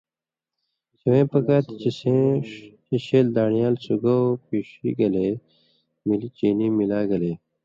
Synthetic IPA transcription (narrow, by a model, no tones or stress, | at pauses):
siwẽːpɐkat̪t͡ɕisẽ | iɕeːld̪aːɳijaːlsuɡopiːʂḭɡɐle | milit͡ɕiːniːmilaːɡɐleː